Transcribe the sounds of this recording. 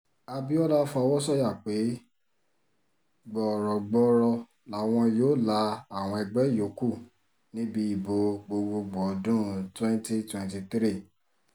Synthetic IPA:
a˧bi˦ɔ˦la˦fɔ˧˦wɔ˦sɔ˦ja˦˨k͡pe˨˦ | ɡ͡bɔ˦˨ɾɔ˨ɡ͡bɔ˦ɾɔ˧ | la˨˦w̃ɔ̃˧joː˦la˧a˨w̃ɔ̃˧ɛ˧ɡ͡bɛ˨˦jo˨˦ku˦˨ | nĩ˨˦bi˧˦i˦˨bo˨˧ɡ͡bo˧ɡ͡bo˧ɡ͡bɔ˨˦dũ˦twɛ̃˦n˦ti˦twɛ̃˧nti˧tɾi˦˨

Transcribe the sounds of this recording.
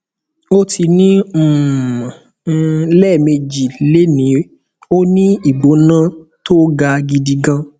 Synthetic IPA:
o˦tʰi˧nĩ˦˨˧ | lɛ˦˨me˧d͡ʒi˨le˦nĩ˨˦ | o˦nĩ˦i˨ɡ͡bo˨˦nã˦to˦ɡa˧ɡi˧di˧ɡã˧

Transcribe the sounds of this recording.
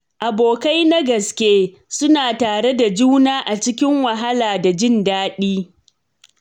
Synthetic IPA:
ʔa˨boː˨ka˦jna˦ɡɐ˨skʲeː˦ | sʊ˦naː˨taː˨ɽe˦da˨d͡ʒuː˦naː˦ʔa˨t͡ʃɪ˦kʲɪ˦ŋwa˨ɦa˦laː˨da˨d͡ʒɪ˦ndaː˦ɗiː˦

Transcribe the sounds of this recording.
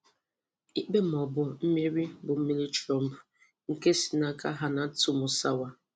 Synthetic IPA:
i˦k͡pe˦m˨ɔ˨bʊ˦m̩˦me˦ɾi˦bʊ˨m̩˦mi˦li˦t͡ʃɾɔ˦m̩˦bʊ˨ | ŋ̩˨ke˦si̥˨na˦ka˦ɦa˦na˨˦tu˨mʊ˨sa˦wa˦

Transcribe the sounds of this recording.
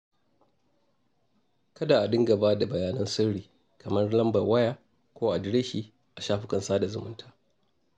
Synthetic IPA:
kɐ˦daː˨ʔa˨dɪ˦ŋɡa˨baː˦da˨bɐ˨jaː˨˦nɐ˦nsɪ˦ɽiː˨ | kʰɐ˨mɐ˦rlɐ˦mbɐ˨wɐ˦jaː˨ | kʷoː˦ʔa˨dɪ˦ɾe˦ʃiː˦ | ʔa˨ʃaː˦ɸɪ˦kɐ˨nsaː˦da˨zʊ˨mʊ˦ntʰaː˦

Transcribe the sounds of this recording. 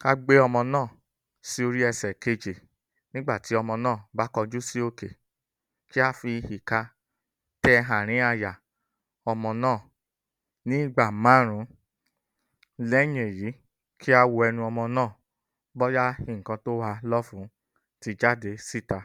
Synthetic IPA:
ka˦ɡ͡be˦ɔ˧mɔ̃˧nãː˦˨ | si˦o˧ɾi˦ɛ˧sɛ˨ke˧d͡ʒe˨ | nĩ˦ɡ͡ba˦˨ti˨˦ɔ˧mɔ̃˧nãː˦˨ba˦kɔ˧d͡ʒu˦si˦o˧ke˨ | ki˦a˦fi˧hi˨ka˧ | tɛ˦˧ɦã˨ɾ̃ĩ˨˦a˧ja˨ | ɔ˧mɔ̃˧nãː˦˨ | nĩ˨˦˨ɡ͡ba˨mã˨˦˨ɾ̃ũ˨˦ | lɛ˦ɲe˨ji˨˦ | kʰi˦a˦wo˧ɛ˧nũ˧ɔ˧mɔ̃˧nãː˦˨ | bɔ˦ja˦hĩ˨ŋ̩˨kã˧to˦wa˧lɔ˦fũ˨˦ | ti˨˧d͡ʒa˦˨de˨˦si˦˨ta˧

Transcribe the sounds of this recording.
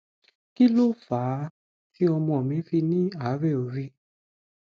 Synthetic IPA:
ki˦lo˦faː˨˦ | ti˦ɔ˧mɔ̃˧˨ɔ˨mĩ˨˦fi˧nĩ˦a˦˨˦ɾɛ˦˨o˨ɾi˦

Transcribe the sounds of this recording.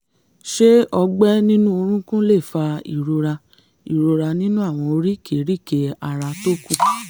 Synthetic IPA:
ʃe˦ɔ˧ɡ͡bɛ˦nĩ˦nũ˦o˧ɾ̃ũ˦kũ˦le˦˨fa˧ḭ˨ɾo˧ɾa˧ | i˨ɾo˧ɾa˧nĩ˦nũ˦a˦˨w̃ɔ̃˧o˧ɾi˦ke˨ɾi˦˨ke˧a˧ɾa˧to˦kũ˦˨

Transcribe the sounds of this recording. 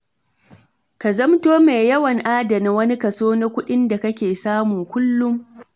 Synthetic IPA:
ka˨zɐ˦mtoː˦me˨jɐ˦wɐ˨ŋʔaː˦dɐ˨na˨wɐ˦ni˦kɐ˨soː˦na˦kʷʊ˦ɗɪ˦nda˨kɐ˦kʲeː˨saː˦mʊ˨ŋkʷʊ˦lːʊ˦m

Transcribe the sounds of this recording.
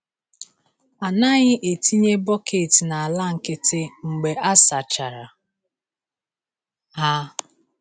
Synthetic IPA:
a˨na˦ɲɪ˦ʔe˨ti˦ɲe˦bɔ˦kʰe˨ti˨na˨a˨la˦˨ŋ̩˨kɪ˦tɪ˦ŋ͡m̩˨ɡ͡be˨ʔa˦sa˨t͡ʃa˨ɾa˨ | ɦa˦

